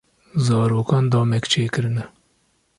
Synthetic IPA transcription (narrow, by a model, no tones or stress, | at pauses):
zɑːɾoːkɑːnd̪ɑːmɛkt͡ʃʰeːkɨɾɨnɛ